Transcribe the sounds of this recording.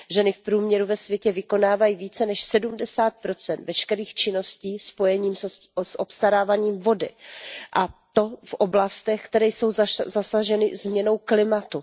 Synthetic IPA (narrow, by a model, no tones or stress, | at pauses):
ʒɛnɪfpɾuːmɲɛɾuvɛsvjɛcɛvɪko̞naːvajiviːt͡sɛnɛʃsɛdumdɛsaːt̪̚pɾo̞t͡sɛnt̪vɛʃkɛɾiːxt͡ʃɪno̞sciːspo̞jɛɲiːms | sʔopst̪aɾaːvaɲiːmvo̞dɪ̰ʔat̪o̞fʔo̞blast̪ɛxkt̪ɛɾɛjso̞wzzasaʒɛnɪzmɲɛno̞wklɪmat̪u